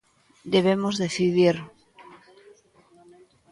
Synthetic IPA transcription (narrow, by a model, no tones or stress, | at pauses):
d̪eβemozðeθiðiɾ